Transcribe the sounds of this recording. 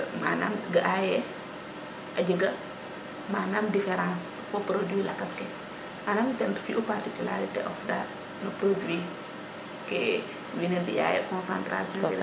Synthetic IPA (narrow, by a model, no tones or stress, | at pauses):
manaːmɡɐʔajɛ | ʔɐd͡ʒəɡɐ | maːnaːmdifɛɾãns | fɔpɾodwilakɐskɛ | ʔanamtɛntfiʔupartikylaɾitḛʔɔfda | nɐpɾodwi | kɛ | winɛbia̰jɛ̰kɔ̃nsã̰ntɾa̰sjɔ̃